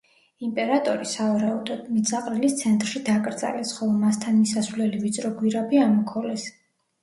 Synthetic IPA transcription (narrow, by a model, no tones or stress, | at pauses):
impʼɛɾat̪ʼɔɾisavaɾaud̪ɔd̪̥mid̪zaqʼɾilist̪sʰɛnt̪ʼɾʃid̪akʼɾd̪zʼa̰lɛsχɔlˠɔmast̪ʰanmisasvlɛlivit̪sʼɾɔɡwiɾabiamɔkʰɔlɛs